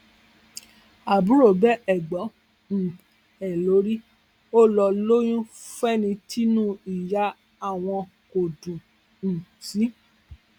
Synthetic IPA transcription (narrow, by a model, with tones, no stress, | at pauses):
a˨bũ˨˦ɾo˦˨bɛ˦ʔɛ˨ɡ͡bɔ˨˦ | n̩˨ | ɛ˨lo˨˦ɾi˦ | o˦lɔ˧lo˦j̃ũ˦fɛ˦nĩ˧tʰi˦nũ˦i˨ja˨˦ | a˦˨w̃ɔ̃˧ | ko˨dũ˨ | n̩˨si˨˦